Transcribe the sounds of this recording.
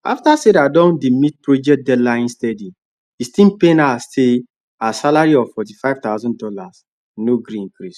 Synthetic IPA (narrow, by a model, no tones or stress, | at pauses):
a̰ftasedadɔ̃ndimit̚pɹod͡ʒɛkt̚dɛdlãj̃nstɛdi | istĩnpenase | asalaɾiɔvfɔt̬ifaɪvt̪aʊzɔ̃ndɔlas | noɡɾĩŋkɾis